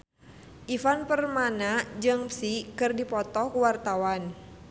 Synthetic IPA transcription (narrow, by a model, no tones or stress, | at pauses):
ʔifanpərmanad͡ʒɨŋpsikɨrdipɔt̪ɔkuwart̪awan